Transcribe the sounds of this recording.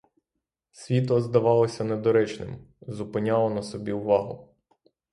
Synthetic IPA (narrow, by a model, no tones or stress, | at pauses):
sʲʋʲit̪ɔzd̪ɐʋɑlˠɔsʲɐnɛd̪ɔɾɛt͡ʃnɪ̰m | zʊpɪnʲɑlˠɔnɐsɔbʲiuʋɑɦʊ̰